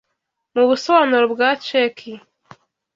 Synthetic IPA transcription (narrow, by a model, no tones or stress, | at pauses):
muβusɔwanoɾobɡat͡ʃekʰi